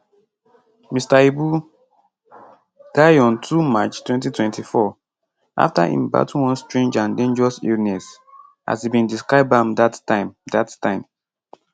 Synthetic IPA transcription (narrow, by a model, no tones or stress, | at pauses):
mistaibu | d̥aɪɔ̃ntʰumat͡ʃtwɛ̃ntitwɛ̃ntʰifɔ | ʔa̰fta̰hḭ̃mba̰tuwɔ̃nstɹẽnd͡ʒãndẽnd͡ʒɛɹɔsḭlnɛs | ʔa̰sibĩndiskɹaɪb̚ãmdatãɪ̃mdattãɪ̃m